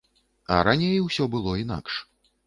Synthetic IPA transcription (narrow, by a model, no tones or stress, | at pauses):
ɐ̰ɾanʲejwsʲɔbɨlˠɔina̰kʂ